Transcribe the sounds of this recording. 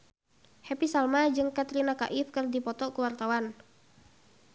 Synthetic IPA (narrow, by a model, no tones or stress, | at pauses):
hɛpisalmad͡ʒɨŋkat̪ɾinaka̰ʔɪfkɨrdipɔt̪ɔkuwart̪awan